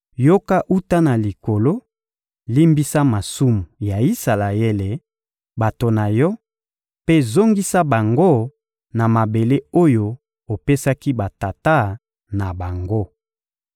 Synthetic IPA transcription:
jo˦ka˦ʔu˦ta˦na˨li˨ko˨lo˦ | li˦mbi˦sa˦ma˨su˦mu˨ja˨i˦sa˨la˨e˦le˨ | ba˨to˨na˨jɔ˦ | pe˦zo˦ŋɡi˦sa˦ba˨ŋɡo˦ | na˨ma˨be˨le˦o˦jo˦ | o˨pe˦sa˦ki˦ba˨ta˨ta˦ | na˨ba˨ŋɡo˦

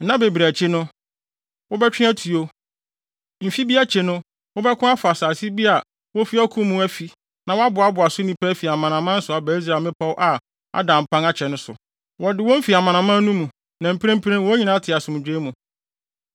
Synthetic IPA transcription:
nã˦be˨bɾæ˨t͡ɕʰɪ˦nʊ̃˦ | wɔ˦bɛ˦t͡ɕᶣɪ̃˦æ˦tʰi˨o˦ | m̩˨fi˦bi˦a˦t͡ɕʰe˨nʊ̃˦ | wɔ˦bɛ˦kʰʊ̃˦a˦fa˨saː˨si˦bi˦a˨ | wɔ˦fi˦a˦kʰũ˦mũ˦æ˦fi˨˦ | nã˨wɔ˦a˦bʊ˨a˦bʊ˨a˨sʊ˦nĩ˨pʰæ˦fi˨a˨mã˨nã˨mã˦n̩˦sʊ˨a˨bæ˨˦i˦s̬ɾa˨mɪ̃˦pʰa˦wʔa˨ | a̰˦dã˨m̩˨pʰã˦ŋa˦t͡ɕʰɛ˨nʊ̃˦sʊ̰˨ | wɔ˨dɪ˨˦wɔ˦m̩˦fi˨a˨mã˨nã˨mã˦nũ˦mũ˨ | nã˨m̩˨pʰɾẽ˦m˦pʰɾẽ˦wɔ˦ɲĩ˦nã˦tʰɪ˨a˨sʊ̃˨mʊ̃˨d͡ʑᶣe˦mũ˨

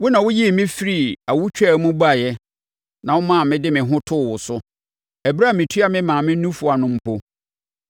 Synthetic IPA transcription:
wʊ˦nã˨wʊ˦ji˦˨mɪ̃˦fi˦ɾi˦˨a˨wʊ˦t͡ɕᶣɛ˦˨˦mũ˦ba˦˨jɛ˦ | nã˨wʊ˦mã˦˨mɪ̃˦dɪ˦mɪ̃˨ɦʊ̃˦tʰʊ˦˨wʊ˨sʊ˦ | ɛ˨bɾa˦˨mĩ˨tʰu˦a˦mɪ̃˦mãː˨mɪ̃˦nũ˦fʊ˨a˨nʊ̃˦m̩˦pʰo˦

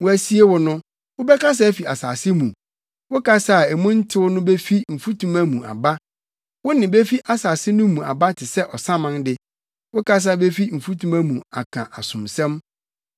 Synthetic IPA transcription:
wʊ˦æ˦˨si˦e˦wʊ˦nʊ̃˦ | wʊ˦bɛ˦ka˦s̬a˦fi˨a˨saː˨sɪ˦mũ˨ | wʊ˦kʰa˦sa˦˨e˨mũ˦n̩˦tʰɪ˦wʊ˦nʊ̃˦be˦fi˦m̩˨fu˦tʰũ˦mæ˦mũ˨a̰˨ba˦ | wʊ˦nɪ̃˨be˦fi˦ʔa˨saː˨sɪ˦nʊ̃˦mũ˨a̰˨ba˦tʰɪ˨sɛ˦ʔɔ˨sã˦mã˦ndɪ˦ | wʊ˦ka˦s̬a˨be˦fi˦m̩˨fu˦tʰũ˦mæ̃˦mũ˨a̰˨kʰã̰˨ʔa˨sʊ̃˨msɛ̃˦m

